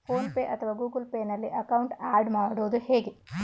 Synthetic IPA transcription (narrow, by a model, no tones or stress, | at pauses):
pʰoːnpeːʔɐt̪ʰɐʋaːɡuːɡɐlpeːnɐlːiʔɐkɐwuɳʈaːɖmaːɽoːd̪uheːɡe